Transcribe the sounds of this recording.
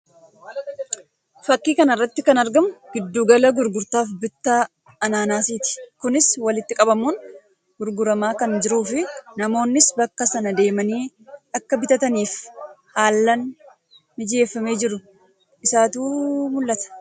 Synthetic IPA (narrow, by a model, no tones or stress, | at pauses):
fɐkːiːkɐnɐrːɐt̪ːɪkɐnɐɾɡɐmʊɡ̥ɪd̪ːuːɡɐlɐɡʊɾɡʊɾt̪aːfbɪt̪ːaː | ɐnaːnaːsiːt̪ɪ̥kʊnɪswɐlɪt̪ːɪkʼɐbɐmun | ɡ̥ʊɾɡʊɾɐmaːkɐnd͡ʒɪɾuːfɪnɐmo̞ːnːɪsbɐkːɐsɐnɐd̪e̞ːmɐniː | ʔɐkːɐbɪt̪ɐt̪ɐniːfhaːlːɐn | mɪd͡ʒe̞ːfːɐme̞ːd͡ʒɪɾʊ | ɪsaːt̪uːmʊlːɐt̪ɐ̥